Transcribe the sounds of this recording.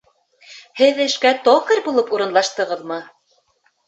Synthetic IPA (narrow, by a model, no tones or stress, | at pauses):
hɘðɘ̆ʃkæt̪okɤ̆ɾbulˠɤpuɾɤ̆nlˠɑʃt̪ɤ̆ʁɤðmɤ